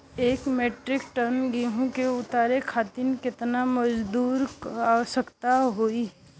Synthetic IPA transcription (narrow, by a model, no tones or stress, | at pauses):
eːkmeːʈɾɪkʈənɡiɦũkeʊt̪aːɾekʰaːt̪inkɪt̪namɐd͡ʒd̪uːɾasəkt̪aɦoiɦɛ